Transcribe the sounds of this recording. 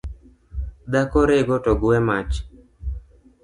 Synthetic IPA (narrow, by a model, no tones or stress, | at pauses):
d̪akoɾeɡotɔɡʊwɛmat͡ʃ